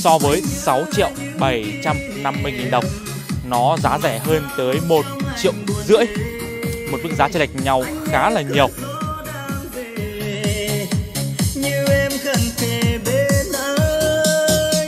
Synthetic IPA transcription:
sɔ˧vəː˨˦jsa˨˦wt͡ɕḭ˧˨əw | ɓə˧˩jt͡ɕa˧m | na˧mːɨ˧jŋi˨˩nɗə˨˩wŋ͡m | nɔ˨˦zaː˨˦zɛ˧˩ɦəː˧nt̪əː˨˦jmo˨˩t̚t͡ɕḭ˧˨əwzɨ̰˧˥əj | mo˨˩t̚ɓɨ̰˧˥ŋzaː˨˦t͡ɕə˧˩la˨˩jk̚ɲa˨˩wxaː˨˦laː˨˩ɲi˨˩ə˩w | ɲɨ˧ɛ˧mxə˧˩nt̪ʰe˨˩ɓe˨˦ɗə˧˦

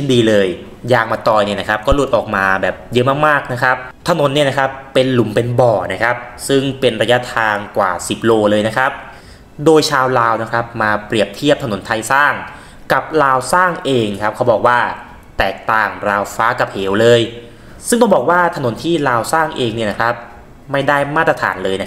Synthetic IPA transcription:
i˥˩ndiː˧lɤː˧j | jaː˧ŋ̚maː˧t̪ɔː˧jni˥˩ɐna˥kʰa˦˥p̚kɔː˥˩lu˨˩t̪̚ʔɔː˨˩k̚maː˧bɛː˨˩p̚jɤ˦˥ʔmaː˥˩k̚maː˥˩k̚na˦˥kʰɾa˦˥p̚t̪ʰa˧no˩˦nːi˥˩na˦˥kʰa˦˥pːe˧nlu˨˩˦mpe˧nbɔː˨˩na˦˥kʰɾa˦˥p̚sɯ˥˩ŋpe˧nɾa˧ja˦˥t̪ʰaː˧ŋkwa̰ː˨˩si˨˩p̚loː˧lɤː˧jna˦˥kʰa˦˥p̚ | doː˧jt͡ɕʰaː˧wlaː˧wna˦˥˩kʰa˦˥p̚maː˧pɾi˨˩əp̚t̪ʰi˥˩p̚t̪ʰa˧no˩˦nt̪ʰa˧jsaː˥˩ŋ | ka˨˩p̚laː˧wsaː˥˩ŋʔeː˧ŋkʰa˦˥p̚kʰa˦˥wbɔː˨˩k̚waː˥˩ | t̪ɛː˨˩k̚t̪aː˨˩ŋɾaː˧wfaː˦˥ka˨˩p̚heː˩˦wlɤː˧j | sɯ˥˩ŋt̪ɔ˥˩bɔː˨˩k̚waː˥˩t̪ʰa˧no˩˦nt̪ʰiː˥˩laː˧wsaː˥˩ŋʔeː˧ŋni˥˩na˦˥kʰɾa˦˥p̚ | ma˥˩jda˥˩jmaː˥˩t̪ɾa˧t̪ʰa̰ː˩˦nlɤː˧jna˦˥

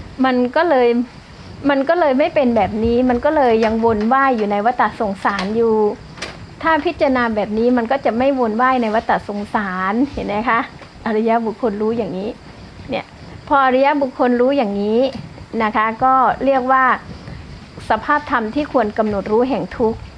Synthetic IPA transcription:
ma˧nkɔː˥˩lɤː˧j | ma˧nkɔː˥˩lɤː˧jma˥˩jpe˧nbɛː˨˩p̚niː˦˥ma˧nkɔː˥˩lɤː˧jːa˧ŋwo˧nwaː˥˩jːuː˨˩na˧jwa˦˥t̪ːa˨˩so˨˩˦ŋsaː˩˦njuː˨˩ | t̪ʰaː˥˩pʰi˦˥t̪̚t͡ɕɾa˧naː˧bɛː˨˩p̚niː˦˥ma˧nkɔː˥˩t͡ɕa˨˩ma˥˩jwo˧nwaː˥˩jna˧jwa˦˥t̪ːa˨˩so˨˩˦ŋsaː˩˦nhe˨˩˦nːa˦˥jkʰa˦˥ʔ | ʔa˧ɾa˧˥ja˦˥bu˨˩kʰːo˧nɾuː˦˥jaː˨˩ŋːiː˦˥ | ni˥˩ə | pʰɔː˧ʔa˧ɾa˦˥ja˦˥bu˨˩kʰːo˧nɾuː˦˥jaː˨˩ŋːiː˦˥na˦˥kʰa˦˥kɔː˥˩ɾi˥˩ək̚waː˥˩ | sa˧pʰaː˥˩p̚t̪ʰa˧mt̪ʰiː˥˩kʰu˧ənka˧mno˨˩t̪̚ɾuː˦˥ɦɛ˨˩ŋt̪ʰu˦˥k̚

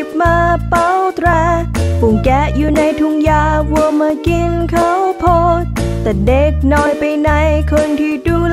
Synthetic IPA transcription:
p̚maː˧pa˧˥wt̪ʰɾɛː˧pu˨˩ŋkɛː˨˧˩juː˧˩na˧jt̪ʰu˧ŋjaː˧˩wu˧əmaː˧ki˧nkʰa˦˥wpʰo˧t̪̚t̪ɛː˨˩de˨˦k̚nɔː˧˩jpa˧jna˧˥jkʰɤ˧nt̪ʰiː˧˩duː˧˩l

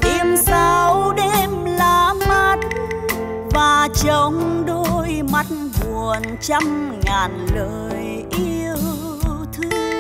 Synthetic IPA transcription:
ʔi˧əmsa˧wɗe˧mlaː˨˧˩ma˦˥t̚ | vaː˨˩t͡ɕə˨˧ŋ͡mɗo˧jma˦˥t̚vu˨˩ənt͡ɕa˧mŋaː˨˩nləː˨˩j | ʔi˧əww | t̪ʰɨ˧˦

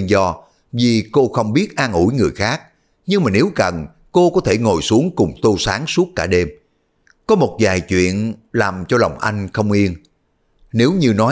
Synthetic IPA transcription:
nzɔ˧ | vi˨˩ko˧xə˧wŋ͡mɓi˦˥ət̚ʔaː˧nʔu˧˩jŋɨ˨˩əjxaː˦˥k̚ | ɲɨ˧ŋŋ͡mmaː˨˩ne˨˦wkə˨˩n | ko˧kɔ˨˦t̪ʰe˧˩ŋo˨˩jsu˨˦əŋkʊ˨˩ŋ͡mt̪o˧saː˨˦ŋsu˦˥ət̚ːaː˧˩ɗe˧m | kɔ˨˦mo˨˩t̚zaː˨˩jt͡ɕwḭ˧˨ənlaː˨˩mt͡ɕɔ˧la˨˩wŋ͡mʔa˧jŋ̟xə˧wŋ͡mʔi˧ən | ne˨˦wɲɨ˧nɔ˨˦

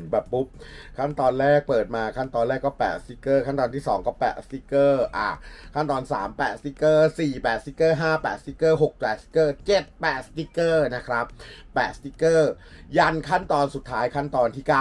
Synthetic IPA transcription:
bɛː˨˩pːu˦˥p̚kʰa˦˥˩nt̪ɔː˧nɾɛː˥˩k̚pɤː˨˩t̪̚maː˧kʰa˥˩nt̪ɔː˧nlɛː˥˩kːɔː˥˩pɛː˨˩t̪̚st̪i˦˥kːɤː˥˩kʰa˥˩nt̪ɔː˧nt̪ʰiː˥˩sɔ̰ː˩˦ŋkɔː˥˩pɛː˨˩t̚st̪i˦˥kɤː˥˩ʔa˨˩kʰa˥˩nt̪ɔː˧nsa̰ː˩˦mpɛː˨˩t̪̚st̪i˦˥kɤː˥˩siː˨˩pɛː˨˩t̪̚si˦˥kːɤː˥˩ɦaː˥˩pɛː˨˩t̪̚si˦˥kːɤː˥˩ɦo˨˩k̚pɛː˨˩t̪̚si̥˦˥kɤː˥˩t͡ɕe˨˩t̪̚pɛː˨˩t̪̚st̪i˦˥kːɤː˥˩na˦˥kʰɾa˦˥p̚ː | ɛː˨˩t̪̚st̪i˦˥kːɤː˥˩ | ja˧nkʰa˥˩nt̪ɔː˧nsu˨˩t̪ʰːaː˦˥jkʰa˥˩nt̪ɔː˧nt̪ʰiː˥˩kaː˥˩

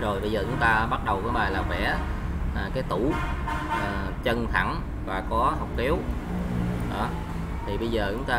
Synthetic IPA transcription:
zo˨˩jɓə˧jzəː˨˩t͡ɕʊ˨˦ŋ͡mt̪aː˧ɓa˦˥t̚ɗə˨˩wkɔː˨˦ɓaː˨˩laː˨˩kwɛ̰˧˥ʔaː˨˩kaː˨˦jt̪u˧˩ʔəː˨˩ | t͡ɕə˧nt̪ʰa̰˧˩ŋ | vaː˨˩kɔ˨˦ɦa˨˩wk͡p̚ki˨˦w | ɗɔ̰˧˩˦ | t̪ʰi˨˩ɓə˧jzəː˨˩t͡ɕʊ˨˦ŋ͡mt̪aː˧

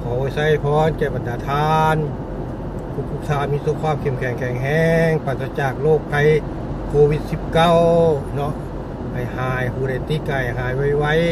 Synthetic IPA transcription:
kʰa˨˩wsa˧˥˩jpʰɔː˧˥˨nkɛː˧˩ba˨ndaː˨˧˦t̪ʰaː˧n | kʰu˧˩kʰu˧˩k̚t̪ʰaː˧miː˧˥˨so˧˩p̚kʰwaː˧˥˨mkʰe˧˩mkʰɛ˨˩˦ŋkʰɛː˨˩˦ŋɦɛː˧ŋpaː˧˩t̪a˧t͡ɕaː˨˩k̚loː˧˩k̚pʰa˧˩j | kʰoː˧wi˧˩t̪̚si˧p̚ka˧˩˨wnɔ˧˥ʔ | ha˨˩jhaː˨˦jpuː˧˩ɾa˧˩jt̪i˧˥ka˧ha˨˩jɦaː˨˦jwa˧˩jwa˧˩˨j

